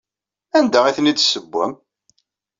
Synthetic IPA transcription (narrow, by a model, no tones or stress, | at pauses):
ænd̪æiθnid̪səbːæ̰m